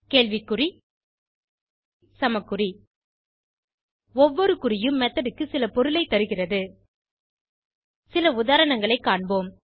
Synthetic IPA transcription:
keːɭʋikːɯri | sɐmɐkːɯri | ɔʋːɔɾɯkʊrɪjɯmːɛt̪ːɐɾɯkːɯsɪlɐpɔɾɯlɐɪt̪ːɐɾɯɣɪrɐðɯ | sɪlɐʊðaːɾɐɳɐŋɡɐɭɐɪkːaːɳboːm

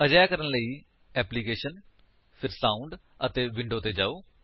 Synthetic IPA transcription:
əd͡ʒaːjakəɾənləiː | ɛːpliːkeːʃən | pʰɪɾsaːʊɳɖ | ət̪eːʋɪɳɖoːt̪eːd͡ʒaːoː

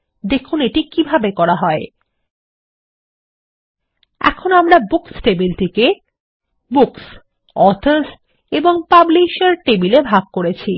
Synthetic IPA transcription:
d̪ekʰuneʈikibʱabekɔɾaɦɔe | ɛ̰kʰonoamɾabuksʈebilʈike | buks | ɔt̪ʰos | eboŋpabliʃeɾʈebilebʱaɡ̚koɾet͡ɕʰi

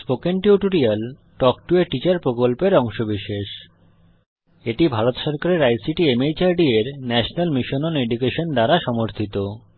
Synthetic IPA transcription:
spokenʈiuʈoɾial | ʈɔk̚ʈueʈit͡ɕaɾpɾokolpeɾɔŋʃobiʃeʃ | eʈibʱaɾot̪ʃɔɾkaɾeɾajsiʈiemejt͡ɕaɾɖieɾnɛʃonalmiʃononeɖukeʃond̪aɾaʃɔmoɾt̪ʰit̪o

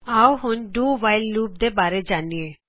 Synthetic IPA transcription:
awɦʊnɖuʋajlːuːp̚d̪ebaːɾed͡ʒanie

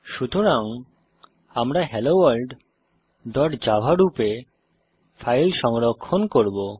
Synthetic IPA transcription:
ʃut̪oɾaŋ | amɾaɦɛlowalɖ | dɔʈd͡ʑabʱaɾupe | fʰajlʃɔŋɾokʰːonkoɾbo

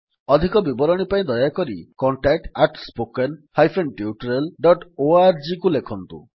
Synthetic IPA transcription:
ɔd̪ʱikɔbibɔɾɔɽ̃ipaĩd̪ɔjakɔɾḭkɔɳʈak̚ʈaʈspokenhajpʰenʈjuʈɔɾelɖɔʈoaɾd͡ʒikulekʰɔnt̪ṵ

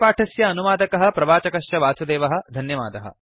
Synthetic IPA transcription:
paːʈʰɐsjɐːnuʋaːd̪ɐkɐɦɐ̆pɾɐʋaːt͡ʃɐkɐʃjɐʋaːsɐd̪eːʋɐɦɐ̆d̪ʱɐnjɐʋa̰ːd̪ɐɦɐ̰

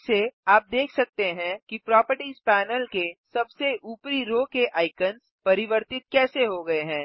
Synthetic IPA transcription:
seaːp̚d̪eːkʰsɐk̚t̪eɦɛ̃kipɾɔːpəɾʈiːzpɛːnəlkesɐbseʔuːpɾiɾoːkeʔʔaːɪkəns | pɐɾɪʋəɾt̪ɪt̪̚kɛːseɦoɡɐeɦɛ̃ː

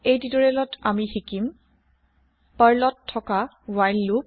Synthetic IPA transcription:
ejdidɔɹɛlɔtamixikim | paɹlɔtʰːɔka | wajlːup̚

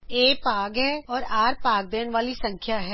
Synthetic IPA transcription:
eːpaːɡɦɛːɔːɾaːɾpaːɡ̚d̪eːnʋaːlisɐ̃ŋkʰjaɦɛː

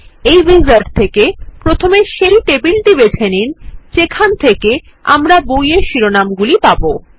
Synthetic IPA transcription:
ejbizaɾʈt̪ʰekepɾot̪ʰomeʃeɾiʈebilɖibet͡ɕʰenint͡ɕekʰant̪ʰeke | a̰mɾabojeʃiɾonamɡulipabo

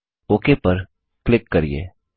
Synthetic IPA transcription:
oːkepɐɾ | klɪkːɐɾiḛː

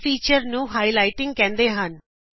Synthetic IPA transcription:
fʰiːt͡ʃəɾnũːɦaːilaːɪʈɪ̃ŋɡ̚kɛ̃ːnd̪eːɦən

